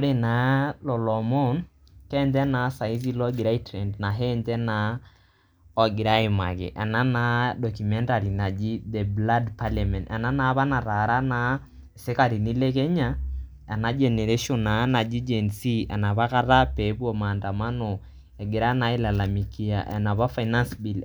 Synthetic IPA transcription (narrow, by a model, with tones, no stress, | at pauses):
ɾe˨na˨˦lɔ˨lɔ˨mɔ˦n | kɛ˦ntɛ˦na˨˦sa˨i˦zi˦lɔ˦ɡi˨ɾa˦i˦tɾɛ˨ndna˨ɦɛ˦ntɛ˦na˦ | ɔ˨ɡi˨ɾa˦i˨ma̰˨kḛ˨ʔa̰˨na˦na˦dɔ˨ku˨mɛ˦nta˨ɾi˨na˨d͡ʒi˦ðɛ˨bla˦dpa˦la˨mɛ̃˨nʔɛ̰˨na˦na˨˦βa˦na˨ɾa˨ɾa˦na˨˦ | se˦ka˨ɾi˨ni˦lɛ˦kɛ˦ɲa˦ | ɛ˨na˦d͡ʒɛ˨nɛ˨ɾe˦ʃɔ˨na˨˦na˨d͡ʒi˦d͡ʒɛ˨nsi˦ɛ̰˨na˨βa˦ka˦ɾa˦pɛ˨˦pu˦ɔ˨ma˨nda˨ma˦no˨ | ɛ˨ɡe˨ɾa˦na˦e˦la˨la˨mi˨ki˦a̰˨ʔɛ̰˨na˨βa˦fa˨ina˦nsbi˨l